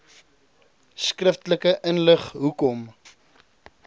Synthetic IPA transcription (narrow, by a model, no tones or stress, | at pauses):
skrəftləkəʔənləχɦukɔm